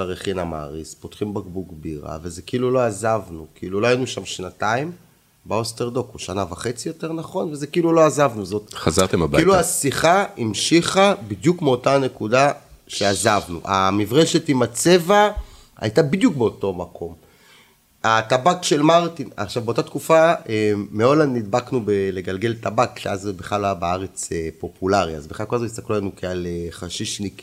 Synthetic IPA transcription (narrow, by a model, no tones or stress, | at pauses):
aʁeχinama̰ːʁispo̞t̪χimbaɡbuɡbiʁa̰vezekiilulo̞azavnukiiluloajinuʃamʃnataim | beosteʁd̪o̞koʃanavaχe̞t͡sijo̞te̞ʁnaχo̞nvezekiilulo̞azavnuzo̞t̪χazaʁt̪emabailuasiχaimʃiχabid̪jukmeo̞tane̞kudaʃeazavnṵʔa̰mivʁeʃet̪imat͡se̞va | a̰jtabid̪jukbeoto̞makʰo̞m | at̪abakʃe̞lmaʁt̪ina̰χʃavbe̞o̞tat̪kufaeːeo̞landːid̪baknubele̞ɡalɡe̞ltabakʃeazbeχalabeaʁet͡sepo̞pulaʁia̰zbeχakolazoist̪aklulanukealeχaʃiʃnik